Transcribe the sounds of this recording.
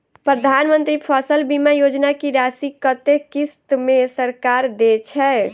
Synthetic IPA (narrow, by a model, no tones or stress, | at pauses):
pɾəd̪ʱanmənt̪ɾipʰəsəlbimajod͡ʒnakiɾasikət̪ekist̪mesəɾkaɾd̪et͡ʃʰɛ